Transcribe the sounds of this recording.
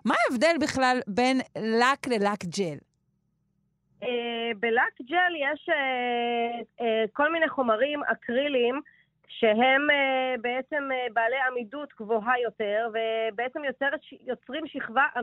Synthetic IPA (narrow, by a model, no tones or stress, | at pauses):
maevde̞lbiχlalbe̞nlaklelakd͡ʒel | ʔebelakd͡ʒeljeʃe | ko̞lmineχo̞maʁima̰kʰʁilim | ʃe̞ɦembeet͡se̞mbaːlejamidutɡvoɦajo̞te̞ʁvebeet͡semjoteʁjo̞t͡sʁimʃiχvaʔa